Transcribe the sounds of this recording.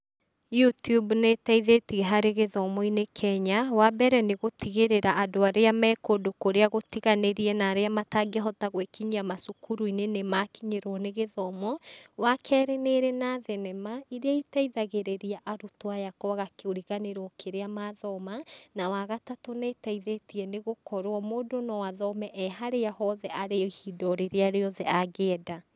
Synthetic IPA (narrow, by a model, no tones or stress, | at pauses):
jutubnetaiðetiɣeɦaɾeɣeðɔmɔinekʰɛɲawabɛɾɛneɣotiɣeɾeɾaadoaɾeamɛːkodokoɾeaɣotiɣaneɾiɛnaːɾeamataɡeɦɔtaɣwekiɲiamasokuɾuinenemakiɲeɾɔneɣeðɔmɔwakʰɛːɾeneɾɛnaðɛnɛmaiɾeaitaiðaɣeɾeɾiaʔaɾutoajakɔaɣakeoɾiɣaneɾɔkʰeɾeamaðɔmanawaɣatatonɛtaiðetiɛneɣokɔɾwɔmoːdonɔwaðɔmɛʔɛɦaɾeaɦɔðɛʔaɾehidɔɾeɾeaɾeɔðɛʔaɣɛda